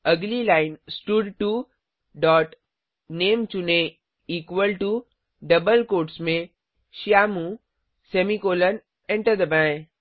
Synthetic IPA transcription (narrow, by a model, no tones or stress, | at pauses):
ɐɡlilaɪnsʈʊɖʈu | ɖɔːʈ | neːmt͡ʃunẽ | iːkʋəlʈu | ɖɐbəlkoːɾʈsmẽ | ʃiaːmũ | semikoːlən | ɛ̃ɳʈəɾd̪ɐbã